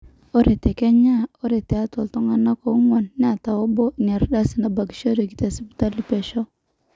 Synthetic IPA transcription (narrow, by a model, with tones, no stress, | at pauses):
o˦ɾe˨te˨kɛ˦ɲa˦˨o˦ɾe˨tɛ˨a˦to˨ltɔ˦ŋa˦na˦ko˨˦ŋɔ˨nːɪ˦a˨ta˨wo˦bo˦n˨a˨ɾda˦si˨na˨ba˨ki̥˨˦ʃo˦ɾo˨ki˦te˨si˦bu˦ta˦li˦pɛ˨ʃɔ˦